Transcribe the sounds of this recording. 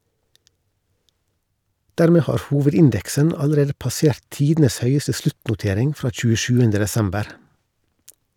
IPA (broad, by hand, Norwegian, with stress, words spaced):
ˈdæːɾmeː ˈhɑːɾ ˈhuːʋədɪnˌdɛksən ɑləˈɾeːdə pɑˈseːɾt ˈtiːdn̩əs ˈhœʏəsə ˈslʉtnʊˌteːɾɪŋ ˈfɾɑː c͡çʉːəˈʃʉːəndə dɛˈsɛmbəɾ